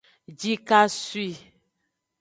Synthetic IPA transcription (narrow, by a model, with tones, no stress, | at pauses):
d͡ʒi˦ka˦su˦i˦˨